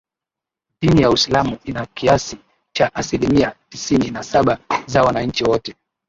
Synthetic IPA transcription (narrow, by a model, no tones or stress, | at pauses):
ɗinijausilamuinakiasi | t͡ʃaʔasilimiatisininasaɓazawanaɲ̩t͡ʃiwɔtɛ